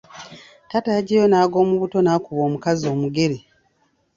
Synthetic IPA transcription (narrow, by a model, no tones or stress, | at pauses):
tataːɟejo̞naːɡo̞ːmuβuto̞naːkuβo̞ːmukazio̞ːmuɡe̞ɾi